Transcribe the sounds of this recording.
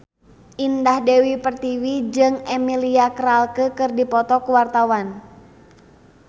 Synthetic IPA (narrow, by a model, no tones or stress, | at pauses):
ʔindahdewipərt̪iwid͡ʒɨŋemiliakəɾalkəkɨrdipɔt̪ɔkuwart̪awan